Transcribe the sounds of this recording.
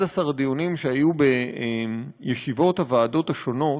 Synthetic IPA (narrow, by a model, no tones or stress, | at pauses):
dasaʁdionimʃeajube̞em | jeʃivo̞thavaːdo̞taʃo̞no̞